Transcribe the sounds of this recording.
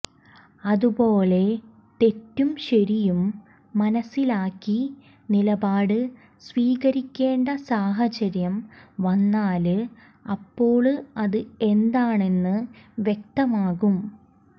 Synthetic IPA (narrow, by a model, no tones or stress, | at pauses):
ɐðubo̞ːle̞ | t̪e̞tːumɕɐɾijumː | ɐnɐsːilaːkːi | nilɐbaːɽɨ | sʋiːɣɐɾikʲːe̞ːɳɖɐsaːɦɐt͡ɕɐɾjɐmʋɐnːaːlɨ | ɐpːo̞ːɭɨɐðɨe̞nd̪aːɳe̞nːɨʋje̞k̚t̪ɐmaːɣum